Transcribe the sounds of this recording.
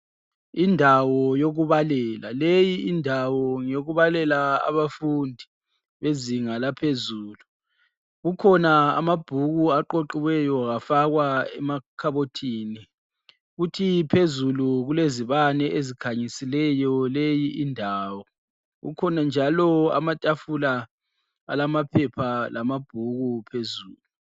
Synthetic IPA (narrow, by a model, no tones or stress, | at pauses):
indʱawɔjoɣuβalɛlalejiindʱawɔŋoɣuβalɛlaa̰βafundʱi | βeziŋalapʰezuːlu | ɣukʰɔnaa̰mab̥ʱuɣuaǃoǃiwɛjɔɣafaɣwaɛmakʰaβotʰiːni | ɣutʰipʰezuluɣuleziβanɛʔezikʰaɲisilɛjɔlejiʔindʱaːwɔ | ɣṵkʰɔnand͡ʒʱalɔa̰matʼafula | a̰lamapʰɛpʰalamab̥ʱuɣupʰezuːlu